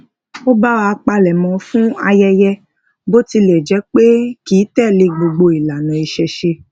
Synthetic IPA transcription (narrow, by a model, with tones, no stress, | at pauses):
o˦ba˦wa˧k͡pa˧lɛ˨mɔ̃˧fũ˦a˧jɛ˧jɛ˧ | bo˦ti˧lɛ˨d͡ʒɛ˨˦k͡pe˦kiː˨˦tɛ˦˨le˧˨ɡ͡bo˧ɡ͡bo˧i˨la˨nã˨i˧ʃɛ˧ʃe˧